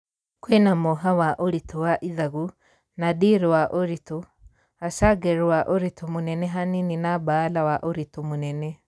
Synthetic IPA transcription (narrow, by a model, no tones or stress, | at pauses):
kwenamoɦawaʔoɾitowaʔiðaɣu | nadiɾwaʔoɾito | asaɡɛɾwaʔoɾitomonɛnɛɦanininabaːlawaʔoɾitomonɛnɛ